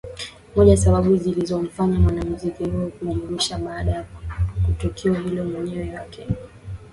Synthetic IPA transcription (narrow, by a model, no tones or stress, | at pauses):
mɔʄajasaɓaɓuzilizɔm̩faɲamwanam̩zikihuɔkuʄuuɾiʃaɓaːɗajakutɔkʰiɔɦilɔmwɛɲɛwɛwakʰɛ